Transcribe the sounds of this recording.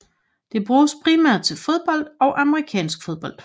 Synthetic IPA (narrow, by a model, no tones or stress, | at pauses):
d̥e̝b̥ʁuːspʰʁimæɐ̰d̥̚t͡sʰe̝lfo̝ð̞ˠb̥ɒ̽l̰d̥ɒ̽ʊʔæməʁikʰɛ̰ːnsɡ̥fo̝ð̞ˠb̥ɒ̽l̰d̥